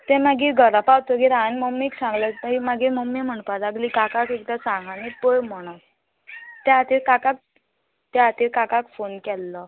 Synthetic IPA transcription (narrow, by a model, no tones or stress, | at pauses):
t̪ɛ̃maɡiɡʱəɾapawt̪oɡiɾanməmːiksãŋɡləaimaɡiməmːim̤əɳpad̪aɡlikakakek̚d̪asãɡanipəjm̤ɔɽ̃a | t̪ɛat̪iɾkakak̚ | t̪ɛat̪iːɾkakakfonkɛlːə